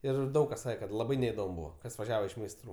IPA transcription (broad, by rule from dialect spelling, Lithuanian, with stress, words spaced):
ˈɪr ˈdɐʊk kɐs ˈsɑːkʲɛ kɐt lˠɐˈbɐɪ nʲɛɪdoːm ˈbuːʋɐ ˈkɐs ʋɐˈʒʲæːʋɐ ɪʃ mʲɛɪsˈtruː